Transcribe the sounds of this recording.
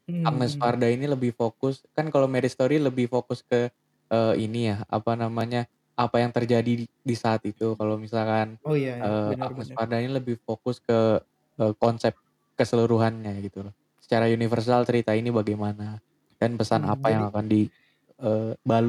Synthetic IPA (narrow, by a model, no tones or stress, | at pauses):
ak̚nəspardainiləbɪhfokʊskankalomɛɾɪst̪oɾiləbɪhfokʊskə | ʔəːinijaa̰panamaɲa | apajaŋt̪ərd͡ʒadidisaːt̪it̪ukalomisalkanəːa̰k̚nəspardainiləbɪhfokʊskə | əkɔnsɛp̚ | kəsəluɾuɦanɲajɡit̪ulah | sə̥t͡ʃaɾaunifərs̬alt͡ʃəɾit̪ainibaɡajmana | kanpəsana̰pajaŋakandi | əːbalu